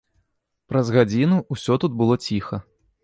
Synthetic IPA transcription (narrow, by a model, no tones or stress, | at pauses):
pɾɐzɣad͡zʲinuusʲɔt̪ud̪bɨlˠɔt͡sʲixɐ